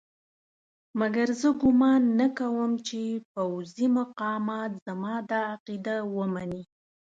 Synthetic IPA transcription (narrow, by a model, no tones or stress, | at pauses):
maɡaɾzəɡʊmɑnːakawəmt͡ʃepawzimaqɑmɑt̪z̥amɑd̪ɑːqid̪awəmani